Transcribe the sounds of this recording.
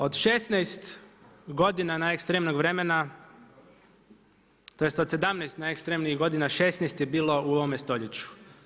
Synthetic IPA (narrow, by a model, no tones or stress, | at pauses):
o̞d̪ʃesnajst̪ɡo̞d̪inanaekst̪ɾemnoɡʋɾe̞mena | t̪o̞jest̪o̞d̪se̞d̪amnejst̪naekst̪ɾemniɣɡo̞d̪inaʃesnejst̪jebiːlˠo̞ʔuo̞ʋomest̪o̞ʎet͡ɕu̥